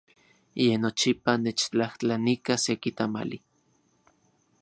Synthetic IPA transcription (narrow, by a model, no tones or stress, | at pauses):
jenot͡ʃipanet͡ʃt͡ɬaht͡ɬanikasekit̪ama̰li